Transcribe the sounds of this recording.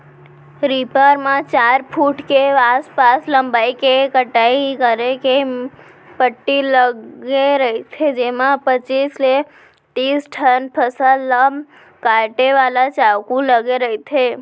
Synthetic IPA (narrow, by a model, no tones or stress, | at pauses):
ɾipəɾmãt͡ʃaɾpʰuʈkeaspasləmbaikekəʈaikəɾeke | pəʈːiləɡeɾəit̪ʰed͡ʒemãpət͡ʃisle | ʈ̪isʈʰənpʰəsəlːə | kaɾʈeʋalat͡ʃaʋkũləɡeɾəɦit̪ʰe